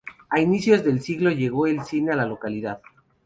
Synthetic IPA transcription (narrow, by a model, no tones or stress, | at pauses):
ainisjo̞zðe̞lsiɣlo̞ʝe̞ɣ̞o̞elsine̞alalo̞kaliðað